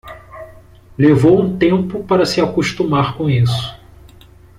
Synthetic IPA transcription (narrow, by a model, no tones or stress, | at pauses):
levowũt̪ẽmpʊpaɾɐsɪakuʃt̪umaɾkõisʊ̥